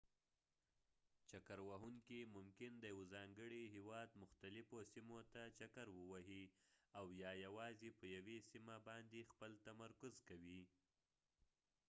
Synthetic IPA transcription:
t͡ʃakaɾwaɦuŋkimʊmkɪnd̪əjawozɑŋɡəɽiɦewɑd̪mʊxt̪alɪfosimot̪at͡ʃakaɾwəwaɦiawjɑjawɑzepəjawesimabɑnd̪expəlt̪amaɾkʊzkawi

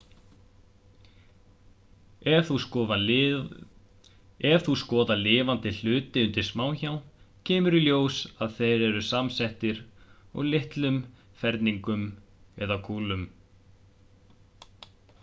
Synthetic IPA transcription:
ɛvθuskɔːva | ɛ̥θuskɔːðalɪːvant̪ɪl̥ʏːt̪ɪʏnt̪ɪɾ̥smaːwçawn | cʰɛːmʏɾiljoːwsaðθejɾɛɾʏsamsɛht̪ɪɾɔ̰ɣlɪht̪lʏm | fɛɾt̪niŋkʏmɛ̰ðakʰuːlʏm

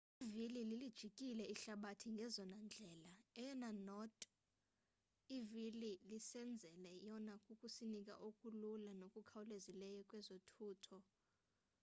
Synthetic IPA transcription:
ivilililid̥ʒ̥ʱikʼilɛiɬaɓatʰiŋɡʱɛzɔnand͡ɮʱɛːlaɛjɔnanɔtʼ | ivililisɛnd͡zʱɛlɛjɔnakʼukʼusinikʼa̰ʔokʼululanokʼukʰawulezilɛjɔkʼwɛzotʰuːtʰɔ

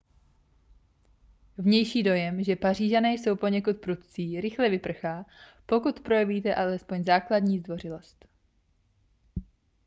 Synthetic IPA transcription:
vɲɛjʃiːdo̞jɛmʒɛpar̝iːʒanɛjso̞wpo̞ɲɛkut̪̚pɾut̪t͡siːɾɪxlɛvɪpr̩xaːpo̞kut̪pɾojɛviːt̪ɛʔalɛspo̞ɲzaːkladɲiːzd̪vo̞rɪlo̞st̪

